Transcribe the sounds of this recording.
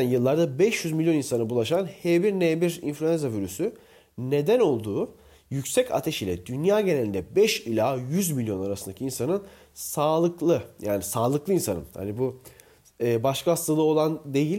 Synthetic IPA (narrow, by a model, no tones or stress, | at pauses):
ænjɯlˠːaɾd̪abɛʃjyzmilʲjo̞ninsanɯbulˠaʃanhebiɾnebiɾḭnflʲyɛnzaviɾysy | ne̞d̪æno̞lˠd̪uː | jycsɛcʰa̰t̪ʰeʃilʲɛd̪ynjaːɟe̞nelʲind̪ɛbɛʃilʲaːjyzmilʲjo̞naɾasɯnd̪acʰiinsanɯn | saːlˠɯklˠɯja̰ːnisaːlˠɯklˠɯinsa̰nɯ̰nha̰nibuː | baʃkʰaast̪ʰalˠɯo̞lˠand̪e̞jilʲ